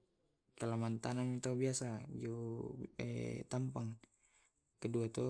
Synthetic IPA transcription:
kalamant̪anamit̪aubiasad͡ʒu | ɛ̰t̪ampaŋ | kəduat̪ɔ

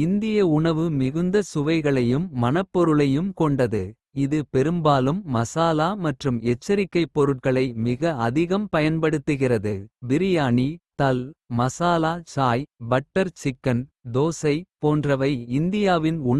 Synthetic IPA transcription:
ɪnd̪ɪjɐʊɳɐʋɯmɪɣɯnd̪ɐsʊʋɐɪɣɐɭɐjɯmːɐnɐpːɔɾɯɭɐjɯmkɔɳɖɐðɯ | ɪðɯpɛɾɯmbaːlɯmːɐsaːlaːmɐʈrɯmɛt͡ʃːɐɾɪkːɐɪpːɔɾɯʈ̚kɐɭɐɪmɪɣɐɐðɪɣɐmpɐjɐnpɐɽɯt̪ːɯɣɪrɐðɯbɪɾɪjaːɳit̪ɐlmɐsaːlaːt͡ʃaːjbɐʈːɐɾt͡ʃɪkːɐnd̪oːsɐɪpoːndrɐʋɐɪɪnd̪ɪjaːʋɪnʊ

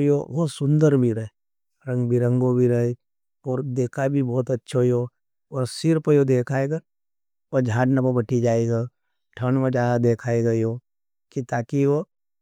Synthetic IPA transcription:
io̰ʋosʊ̃nd̪əɾbʱiɾɐɦe | ɾɐ̃ŋɡbʱiɾɐ̃ŋɡobʱiɾɐe | ɔːɾd̪eːkʰabʱibɔːt̪ɐtːʃʰoiɦoː | ɔːɾsɪɾpəjod̪eːkʰaːeɡa | od͡ʒʱaːʈnapəbɐʈid͡ʒaːeɡa | ʈʰənmə̃t͡ʃaːad̪eːkʰaːeɡɐiɦoː | kit̪aːkiʋo

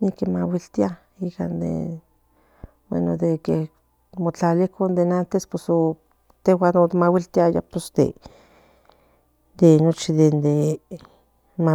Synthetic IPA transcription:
nikemawilt̪ia | ika̰nd̪ḛ | bwḛnod̪eke | mot͡ɬalikʰond̪enant̪espweso | t̪ewanot̪mawilt̪iaja̰posd̪ḛ | d̪enot͡ʃid̪end̪e | ma

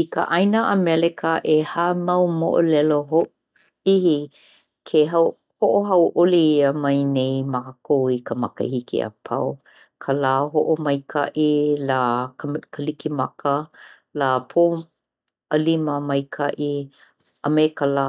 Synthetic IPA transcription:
ikə̰ʔajnəʔamɛlɛkʰəʔehamɐwmo̰ʔo̰lɛloɦo | ihi | kʰeɦaw | hoʔoɦɐwʔoliəmɐjnejmaːkowikəmɐkə̰hikḭa̰pʰaw | kʰəlaːɦoʔomɐjkʰa̰ʔilaːkkʰəlikimɐkə | laːpʰoː | əliməmɐjkʰaʔi | ʔamekəlaː

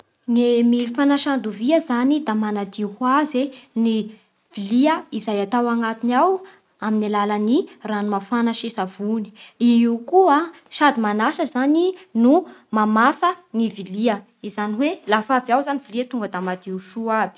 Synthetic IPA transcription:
ŋemifanaʃand̪uviəzanid̪amanad̪ihwazeni | v̥iliəizajat̪awaŋat̪inaw | aminilalaniranumafanaʃisav̥uni̥iiukua | ʃad̪imanaʃəzaninumamafəŋiviliə | izaniwelafavawzaniviliat̪uŋɡəd̪amad̪iuʃuab̥i̥

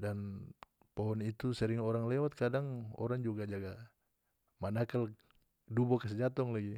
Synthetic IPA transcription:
dan | pɔɦɔnit̪usɛɾiŋɔɾaŋlɛwat̪̚kadaŋɔ̰ɾaŋd͡ʒuɡad͡ʒaɡa | manakal | dubɔkas̬ɛd͡ʒat̪ɔŋlaɡi

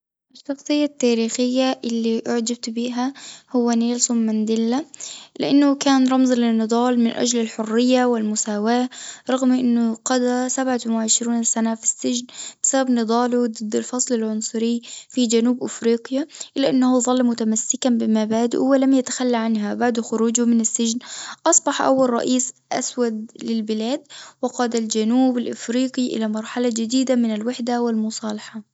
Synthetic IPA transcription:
ʔɪʃːɑxsˤɨjːat̪ːaːɾiːxɪjːaʔɪlːiʔaʕd͡ʒab̚t̪biːɦahʊwːaneːlsʊmːand̪ɪlːalɪ̰ʔanːʊkaːnɾˤɑmzˤlɪnːɨd̪ˤɑːlmɪnʔa̰d͡ʒlɪlħʊrːɪjːawɪlmʊsaːwaːɾˤɑɣmʔɪnːʊqɑd̪asabʕatɪnwɪʕɪʃɾiːnsanafi̥sːɪd͡ʒnb̥ɪsababnɨd̪ˤɑːlud̪ˤɨd̪ːalfɑsˤlɪlʕʊnsˤʊɾɪːfid͡ʒanuːbʔɪfɾiːqjaʔɪlːaʔɪnːahuðˤɑlːmʊt̪amasːɪkanbɪmabaːd̪ʔʊ̰wɪlamjat̪ḁxalːaʕanɦabaʕd̪xʊɾuːd͡ʒʊmɪnɪsːɪd͡ʒnʔɑsˤbɑħʔa̰wːalˤɾˤɑ̰ʔiːsʔa̰swad̪̚lɪlbɪlaːd̪wɪqɑːd̪ald͡ʒanuːbɪlʔɪfɾiːqiʔɪ̰lamɑɾˤħalad͡ʒɪd̪iːd̪amɪnɪlwaħd̪awɪlmʊsˤɑːlɑħɑ

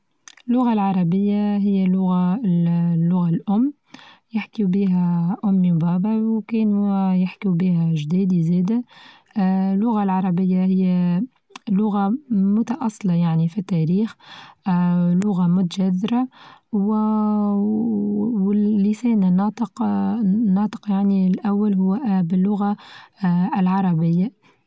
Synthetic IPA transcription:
ɪlːʊɣalʕɑɾˤɑbəjːaɦɪjːælːʊɣa | lːʊɣalʔʊmː | jɪħkibiːɦæʔʊmːibɑːbawkɛːnujɪħkibiːhæʒd̪iːd̪izɛːd̪æ | lːʊɣalʕɑɾˤɑbəjːahɪjːæ | lːʊɣamʊt̪ɑʔɑsˤːɪlɑjaʕnifit̪ːæːɾiːx | lʊɣamʊt̪aʒæðːɪɾaw | wɪːisɛːnnːɑːt̪ˤəq | nːɑːt̪ˤə̥qjaʕnilʔæwːalɦʊwːbɪlːʊɣa | ɪlʕɑɾˤɑbɪjːa

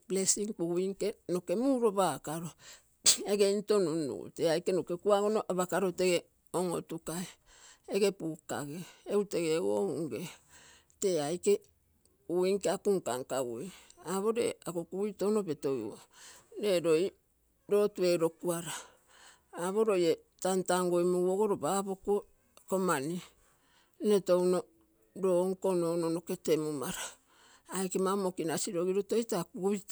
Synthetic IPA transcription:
blesiŋk͡puɡuiŋkenoke̞muːɾo̞bakaɾo | eɡeinto̞nunːṵṵteajkenoke̞kuaɡonoʔaβakaɾote̞ɡe | oŋo̰tukaeː | ɡe̞puka̰ɡeːute̞ɡewo̰ṵŋɡe | te̞ajke̞ | uiŋkeakuŋkaŋkaueaβo̞ɾe̞̰akokuujto̞wno̞be̞to̞j̰oɾe̞ɾoj | ɾo̞tue̞ɾo̞kuaɾaː | βo̞ɾo̞je | tantaŋɡojmuwoɡoɾobabokuo | komani | netowno̞ | ɾoŋkononono̞ke̞temumaɾaː | jke̞mamokinasiɾo̞ɡiɾotojtakuβit

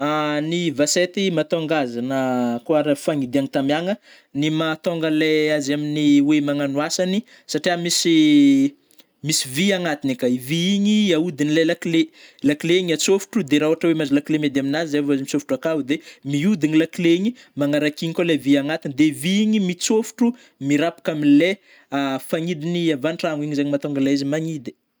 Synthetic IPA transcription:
anivaset̪imat̪oŋɡazanəkuaɾafaŋid̪iaŋit̪amaŋə | nimat̪oŋɡəleazaminiwemaŋanwasani | saʈ͡ʂiamisi | misiviaŋat̪inekaiviiɲiaud̪inilelaklelakileɲiat͡sofu̥ʈ͡ʂud̪eɾauaʈ͡ʂəwemazilaklemed̪aminazizavazimisofu̥ʈ͡ʂakaɦd̪emiud̪inilakleɲi | maŋaɾakiɲikoleviaŋat̪inid̪eiviiɲimit͡sofu̥ʈ͡ʂu | miɾapḁkaminle | afaŋid̪iniavanʈ͡ʂaŋiɲizaɲimat̪oŋɡalaizimaɲid̪i̥

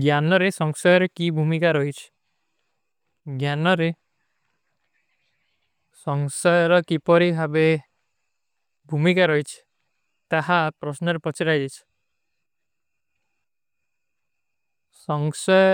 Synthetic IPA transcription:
ɡjanɔɾesɔŋsɔjɔɾekibʱumikaɾɔɦit͡ʃʰi̥ | ɡjanɔɾe | sɔŋsɔjɔɾɔkipɔɾibʱabe | bʱumikaɾɔit͡ʃʰi̥ | t̪aɦapɾɔsnɔɾepɔt͡ʃʰiɾajd̪it͡ʃʰi̥ | sɔŋsɔjɔ

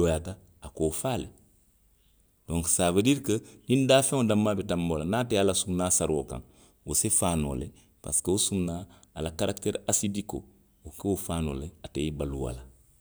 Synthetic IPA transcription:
ojata | akoːfaːle | d̥õŋksaːvediɾkədindaːfẽŋodamːabetamboːlanaːtealasumnaːsaɾokã̰ŋ | wusefaːno̰ːle | pa̰skeusumnaː | lakaɾakteɾasidiko̰ | okewufaːno̰ːleateibaluwa̰la

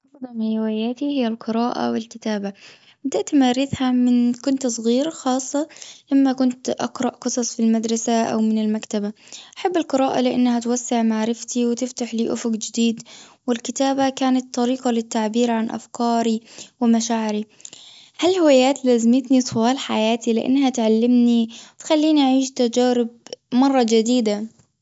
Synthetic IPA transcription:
ʔɑfd̪ˤɑlhɪhɪwajaːt̪ihɪjːalqɨɾaːʔa̰wɪlkɪt̪aːba | bɪd̪aʔt̪maɾɪθhamɪnkʊnt̪sˤɣiːɾxɑːsˤːɑʔamːakʊnt̪ʔɑ̰qɾˤɑʔqɨsˤɑsˤfilmad̪ɾˤɑsaʔa̰wmɪnɪlmakt̪abaʔaħabːɪlqɨɾaːʔa̰lɪʔanːahat̪wasːɪʕmaʕɾɪft̪iwɪt̪ɪft̪aħliːʔʊfʊɡd͡ʒɪd̪iːd̪wɪlkɪt̪aːbakaːnat̪ːɑɾiːqɑlɪt̪ːaʕbiːɾʕanʔa̰fkɑːɾiwɪmaʃaːʕɪɾi | halhʊwjːaːt̪laːzɪmɪt̪nisˤʊwɑːlħajaːt̪ilɪ̰ʔa̰nːhat̪ʕalːɪmniwt̪xalːiːniʔaʕiːʃt̪ad͡ʒaːɾɪb̚mɑrˤːɑd͡ʒɪd̪iːd̪a

